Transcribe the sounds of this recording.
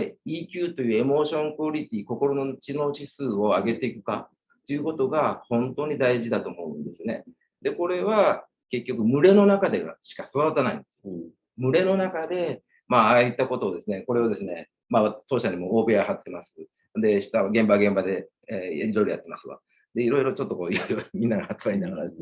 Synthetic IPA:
iːkʲɯːt̪o̞jɯ̟ːe̞mo̞ːɕõ̞ŋkooɾʲit̪ʲiːko̞ko̞ɾo̞no̞t͡ɕino̞ːɕisɨːo̞aɡe̞t̪e̞ikɯ̟̥ka̰ | t̪ːo̞jɯ̟kot̪o̞ɡahõ̞nt̪o̞ːɲ̟id̪aiʑid̪at̪o̞ːmo̞ɯ̟̃nd̪e̞sɨne̞ | d̪e̞ko̞ɾe̞β̞a | ke̞kʲːo̞kɯ̟mɯ̟ɾe̞no̞nakad̪e̞ɡa̰ɕi̥kasod̪at̪ːanaḭ̃nd̪esɨ̥ | mɯ̟ɾe̞no̞nakad̪e̞ | maːit̪ːako̞t̪o̞ːd̪e̞sɨne̞ko̞ɾe̞od̪e̞sɨne̞ | maat̪o̞ːɕaɲ̟imo̞oːbe̞ahat̪ːe̞masɨ | d̪e̞ɕi̥t̪aaɡẽ̞mbaɡẽ̞mbad̪e̞ | aɾʲid̪o̞iɾojat̪ːe̞masɨβa̰ | d̪e̞iɾo̞iɾo̞t͡ɕo̞t̪ːo̞ko̞ːioɾiβamʲĩnːaɡaatɨβainaɡaɾa̰d̪e

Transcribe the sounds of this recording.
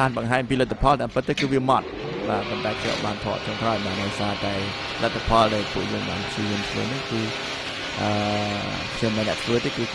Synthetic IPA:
aːnɓɑŋɦaːɲɑmpiːlət̪ʰːapʰɑlt̪aːmpɨt̪ːɨːkɨːʋiəmɑt̪̚ | ɓaːponɗaɛpʰjɛ̰ə̰ɓaːnt̪ʰɔ̰ːʔ̚t͡ɕɔŋkraɔjɓaːɗəjsaːt̪aɛ | lət̪ʰːapʰɑlɗaɛlpuəʔjəːŋɓa̰ːnt͡ɕiənt͡ɕʰlo̰ːnɨŋkɨː | ʔəː | kʰɲɔmɗaːnɛ̆əʔsʰʋɨət̪eːkɨː

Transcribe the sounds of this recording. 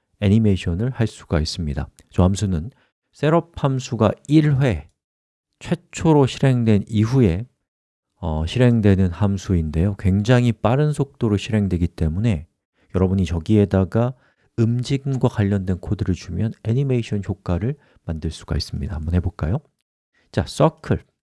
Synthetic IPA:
e̞ɲimeɕʰʌnɯɭhaɭs͈u̥ɡais͈ɯmɲida̰ | t͡ɕʌamsʰunɯn | s͈e̞ɾʌp̚hamsʰuɡaiɭɸwe̞ | t͡ɕʰwe̞t͡ɕʰoɾoɕʰiɾe̞ŋdwe̞niɸue̞ | ʌɕʰiɾe̞ŋdwe̞nɯnhamsʰuinde̞jokwe̞ŋd͡ʑaŋɦip͈aɾɯnsʰok̚t͈oɾoɭɕʰiɾɦe̞ŋdwe̞ɡit͈e̞mune̞ | jʌɾʌbuɲit͡ɕʌɡie̞daɡa | ɯmd͡ʑiɡinɡwakwaʎːʌndwe̞nkʰodɯɾɯɭt͡ɕumjʌne̞ɲimeiɕʰʌnçjok͈aɾɯɭ | mandɯɭs͈u̥ɡa̰is͈ɯmɲida̰mbʌnɦe̞boɭk͈a̰jo | t͡ɕas͈ʌkʰɯɭ

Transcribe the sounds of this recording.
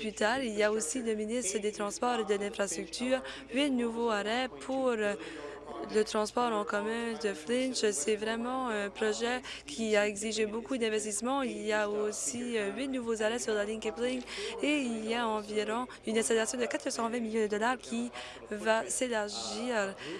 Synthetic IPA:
plyt̪aʁiljaosiləminist̪χəd̪et̪χɑ̃spɔʁed̪əlɛ̃fχast̪χyk̚t̪ʰyːʁ | ɥinuvoaʁɛpʰuʁ | lət̪χɑ̃spɔʁɑ̃kɔmœ̃d̪əflɛ̃nʃsɛvʁɛmɑ̃ɛ̃pʁɔʒɛ | kʲʰiaɛɡziʒebokud̪ɛ̃vɛst̪ismɑ̃ilijaosiøɥinuvozaʁɛsyʁlalĩŋkɛpliŋeilijaɑ̃viʁɔ̃ | ynɛst̪alasjɔ̃d̪əkat̪χəsɑ̃vɛ̃miljɔ̃d̪əd̪ɔlaʁkʲʰi | vaselaʁʒiːʁ

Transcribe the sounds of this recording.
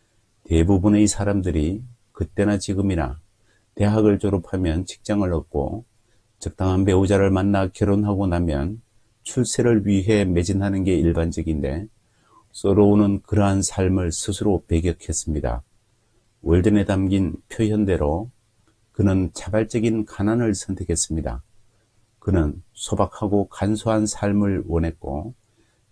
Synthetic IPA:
te̞bubuneisʰaɾamdɯɾi | kɯt͈e̞nat͡ɕiɡɯmiɾa̰ | te̞ɦaɡɯɭt͡ɕoɾupʰamjʌnt͡ɕʰi̥k̚t͡ɕ͈aŋɯɭʌk̚k͈o̰ | t͡ɕɯk̚t͈aŋɦanpe̞ud͡ʑaɾɯɭmanːakjʌɾonɦaɡonamjʌn | t͡ɕʰuɭs͈ʰeɾɯɭɥiɦe̞me̞d͡ʑinɦanɯnɡe̞iɭband͡ʑʌɡinde̞ | s͈ʌɾoonɯnkɯɾʌɦansʰaɭmɯɭsʰɯsʰɯɾope̞ɡjʌkʰe̞s͈ɯmɲida̰ | wʌɭdɯne̞damɡinpʰjojʌnde̞ɾo | kɯnɯnt͡ɕʰabaɭt͡ɕ͈ʌɡinkananɯɭsʰʌntʰe̞kʰe̞s͈ɯmɲida̰ | kɯnɯnsʰobak̚ʰaɡokansʰoɦansʰaɭmɯɭwʌnɦe̞t̚k͈o

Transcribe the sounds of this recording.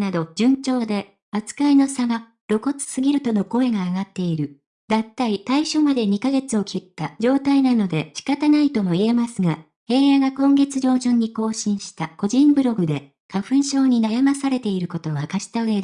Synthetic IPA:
nad̪o̞d͡ʑɨ̃ɲ̟t͡ɕo̞ːd̪e̞ | at͡sɨ̥kaino̞saɡa | ɾo̞ko̞t͡sɨ̥sɨɡʲiɾɯ̟t̪o̞no̞ko̞e̞ɡaːɡat̪ːe̞iɾɯ̟ | d̪at̪ːait̪aiɕo̞mad̪e̞ɲ̟ikaɡe̞t͡sɨo̞kʲʰit̪ːad͡ʑo̞ːt̪ainano̞d̪e̞ɕi̥kat̪anait̪o̞mo̞ie̞masɨɡa | he̞ːjaɡakõ̞ŋɡe̞t͡sɨʑo̞ːʑɨ̃ɲ̟ːiko̞ːɕĩɰ̃ɕi̥t̪ako̞ʑĩmbɯ̟ɾo̞ɡɯ̟d̪e̞ | kaɸɯ̟̃ɰ̃ɕo̞ːɲ̟inajamasaɾe̞t̪e̞iɾɯ̟ko̞t̪o̞ɡakaɕi̥t̪aɯ̟e̞d̪

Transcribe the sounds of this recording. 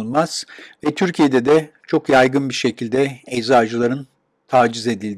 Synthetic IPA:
nmaz̥vɛt̪ʰyɾcʰije̞d̪ɛd̪ɛt͡ʃʰo̞kjajɡɯnbiɾʃe̞cʰilʲd̪ɛɛzaːd͡ʒɯlˠaɾɯn | t̪ʰaːd͡ʒize̞d̪ilʲd̪

